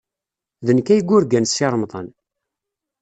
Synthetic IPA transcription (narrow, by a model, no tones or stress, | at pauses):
ðənkæjəɡʷːʊɾɡænsːɪɾˤmðˤə̰n